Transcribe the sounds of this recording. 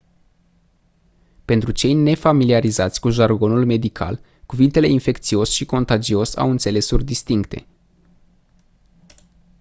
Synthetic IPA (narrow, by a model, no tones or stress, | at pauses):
pe̞nt̪ɾut͡ʃe̞jne̞familiaɾizat̪sʲkuʒarɡo̞nulme̞d̪ikʰa̰l | kuvint̪e̞le̞infe̞kt̪sio̞sʃiko̞nt̪ad͡ʒio̞sa̰wɨnt̪se̞le̞surʲd̪ist̪iŋkt̪e̞̰